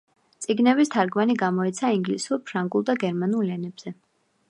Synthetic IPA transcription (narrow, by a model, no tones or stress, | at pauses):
t̪sʼiɡnɛbist̪ʰaɾɡmaniɡamɔit̪sʰaiŋɡlisuɾpʰɾaŋɡulˠd̪aɡɛɾmanulˠlɛnɛb̥z̥ɛ